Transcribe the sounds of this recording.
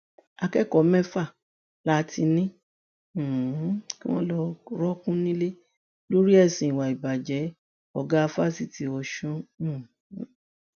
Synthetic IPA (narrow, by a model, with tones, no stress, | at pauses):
a˧kɛ˦kɔ˨˦mɛ̃˦fa˦˨ | la˦tʰi˧nĩ˦˨ | ki˦w̃ɔ̃˦lɔ˧ɾɔ˦kũ˦nĩ˦le˦ | lo˦ɾi˦ɛ˦˨sĩ˨wa˨i˨ba˨d͡ʒɛ˨˦ | ɔ˨ɡa˦˧fa˦˨si˦˨ti˧˦ɔ˧ʃũ˦˨˦